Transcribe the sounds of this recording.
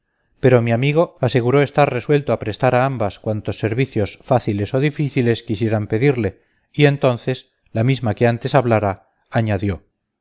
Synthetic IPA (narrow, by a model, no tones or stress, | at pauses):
pe̞ɾo̞miamiɣ̞o̞ase̞ɣuɾo̞e̞st̪arre̞swe̞lt̪oapɾe̞st̪aɾaambaskwant̪o̞sːe̞ɾβiθjo̞sfaθile̞so̞ðifiθile̞skisje̞ɾampe̞ðiɾle̞ | ie̞nt̪o̞nθe̞s | lamizmake̞ant̪e̞saβlaɾaː | ɲaðjo̞